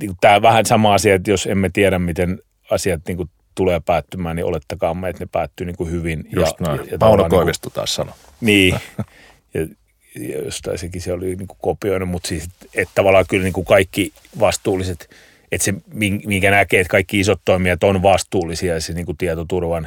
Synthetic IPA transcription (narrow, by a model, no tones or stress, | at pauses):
niːkutt̪æːʋæhænsɑmɑɑsiɑet̪josemmæt̪iɛɾæmmit̪en | ɑsiɑt̪niːŋku | t̪uleːpæːt̪ːymæːnniʔo̰let̪ːɑkɑːmːeet̪nepæːt̪ːyːniːŋkuhyʋinjɑsnɑjɑt̪ɑulnoɑnkioiʋest̪ut̪ɑ̰ːssɑno | niː | jɑ | jɑ̰jo̰st̪ɑ̰isekiseoliniːŋku̥kopioinumut̪siːset̪et̪t̪ɑʋɑlːˑɑːkylniːŋkukɑikːi | ʋɑst̪uːlːiset̪ | et̪semiŋmiŋkænækeːt̪kɑikːiisot̪toimiɑt̪onʋɑst̪uːlːisiɑjɑseniːŋkut̪iɛt̪ot̪urʋɑn